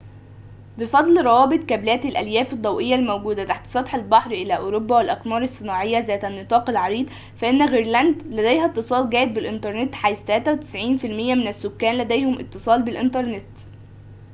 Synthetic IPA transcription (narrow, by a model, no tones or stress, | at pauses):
befɑd̪ˤlɾˤɑwɑːbet̪ˤkæblæːt̪ælʔæljæːfed̪ˤːɑwʔejːælmowɡuːd̪æt̪aħt̪sˤɑt̪ˤħælbɑħɾʔɪlæʔoːɾobːæwælʔɑqmɑːɾˤɑsˤːɨnɑːʕejːæzæːt̪ænːɨt̪ˤɑːqɪlʕɑɾiːd̪ | fæʔenːæɣiɾlænd̪læd̪æjhæt̪ːɨsˤɑːlɡæːʔɪd̪̚bɪlʔɪnt̪ɑɾˤnet̪ħajt̪ælæːt̪æwet̪ɪ̥sʕiːnfilmɪjːæmɪnæsːokːæːnlæd̪æjhʊmʔɪ̰t̪ːɨsˤɑːlbɪlʔɪnt̪ɑɾˤnet̪